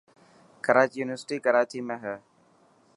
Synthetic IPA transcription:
kəɾaːt͡ʃjuːnɪʋəɾsʈiːkəɾaːt͡ʃiːmẽːɦɛː

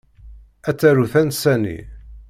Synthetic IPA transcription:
æt͡sːæɾuθænsænḭ

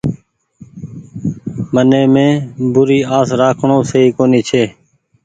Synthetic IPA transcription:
mənẽːmẽːbʊɾiːaːsɾaːkʰɳõːsəiːkoːniːt͡ʃʰeː

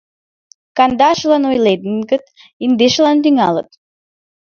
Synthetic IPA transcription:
kand̪aʃulˠanojled̪nkət̪ | ind̪eʃlˠand̪yŋalˠə̰t̪

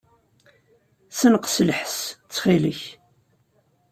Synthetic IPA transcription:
sənqslħst͡sːχiləç

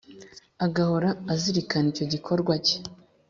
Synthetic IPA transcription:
aɡahoɾaːziɾikanico̞ɟikʰo̞ɾɡwace̥

